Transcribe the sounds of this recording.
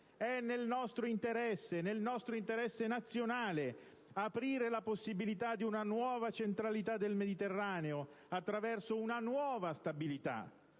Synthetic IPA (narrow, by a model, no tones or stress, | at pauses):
ɛnːelnɔst̪ɾoint̪eɾɛsːenelnɔst̪ɾoint̪eɾɛsːenat̪sːjonaːle | apɾiːɾelaposːibilit̪ad̪ːiunanwɔːvat͡ʃent̪ɾalit̪ad̪ːelmed̪it̪erːaːneo | at̪ːɾavɛrsounanwɔːvast̪abilit̪a̰